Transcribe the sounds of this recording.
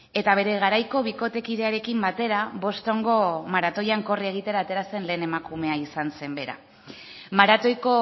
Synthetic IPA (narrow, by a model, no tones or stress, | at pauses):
e̞t̪aβ̞e̞ɾe̞ɣ̞aɾajko̞β̞iko̞t̪e̞kið̞e̞aɾe̞kimbat̪e̞ɾaβo̞st̪o̞ŋɡo̞maɾat̪o̞jaŋko̞rie̞ɣ̞it̪e̞ɾaːt̪e̞ɾase̞nle̞ːne̞makume̞aisanse̞mbe̞ɾa̰ | maɾat̪o̞jko̞